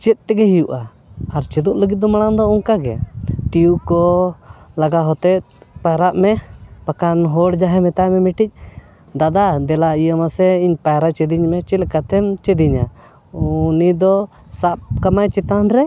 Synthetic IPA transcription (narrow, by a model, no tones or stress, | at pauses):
t͡ʃɛt̪̚ˀt̪ɛɡɛɦijuʔa | aɾt͡ʃɛd̪uʔləɡit̪̚d̪ɔmaɽ̃and̪ɔɔŋkaɡɛ̰ʈiukɔ | laɡaɦɔt̪ɛt̪̚ | paɾaʔmɛpakanɦɔɽd͡ʒaɦɛmɛt̪amɛmiʈic̚ˀ | d̪ad̪ad̪ɛlaijəmasɛiɲpajɾat͡ʃɛd̪iɲmɛt͡ʃɛlkat̪ɛmt͡ʃɛd̪iɲa | unid̪ɔ | sap̚kamajt͡ʃɛt̪anɾɛ